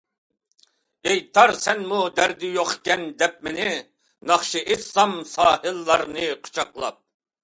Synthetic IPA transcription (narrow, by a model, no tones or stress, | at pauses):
ejt̪ʰɑɾsɛnmud̪æɾd̪ɪjoχkʲɛnd̪ɛp̚mɪnɪ | nɑχʃiʔesɑmsɑːhɨlˠːɑɾnɨqʰo̥t͡ʃʰɑqlˠɑ̰p̚